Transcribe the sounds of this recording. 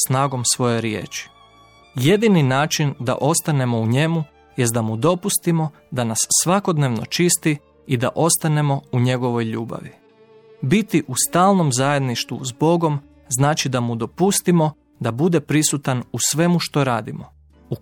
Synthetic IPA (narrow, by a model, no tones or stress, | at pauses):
snaːɡo̞msʋo̞jeɾjḛːt͡ʃi̥ | je̞d̪ininaːt͡ʃind̪a̰ʔo̞st̪ane̞mo̞uɲe̞mu | je̞st̪d̪amud̪o̞pust̪imo̞ | d̪anasːʋako̞d̪neʋno̞̰t͡ʃist̪i | id̪a̰ʔo̞st̪ane̞mo̞uɲe̞ɡo̞ʋo̞jʎuːba̰ʋi | bit̪iʔust̪aːlˠno̞mzaje̞d̪niʃt̪ṵzbo̞ɡo̞m | znaːt͡ʃid̪amud̪o̞pust̪imo̞ | d̪abud̪e̞pɾisut̪anusʋe̞muʃt̪o̞ɾaːd̪imo̞ | u